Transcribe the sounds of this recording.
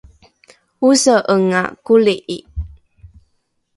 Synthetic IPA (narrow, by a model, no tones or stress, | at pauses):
usəʔəŋa̰kuliʔi